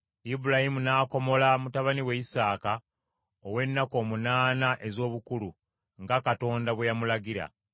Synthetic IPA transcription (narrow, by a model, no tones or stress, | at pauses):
ibuɾahimunaːko̞mo̞lamutaβaniwe̞isaːka | owe̞nːako̞ːmunaːnaʔe̞zo̞ːβukulu | ŋɡakato̞ːndaβwejamulaɡiɾa̰